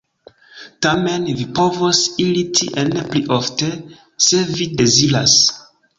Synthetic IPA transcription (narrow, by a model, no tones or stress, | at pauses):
tamenvipovosilitʰiʔenepliʔofte | se̞vide̞zila̰s